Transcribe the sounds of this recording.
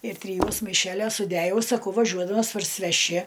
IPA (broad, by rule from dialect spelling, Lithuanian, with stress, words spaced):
ɪr tʲrʲɪˈjuɔs mɐɪˈʃʲæːlʲoːs sʊˈdʲæjɛʊ sɐˈkɐʊ ʋɐˈʒʲuɔdɐmɐs pɐrʲsʲɪʋʲɛˈʃʲɪ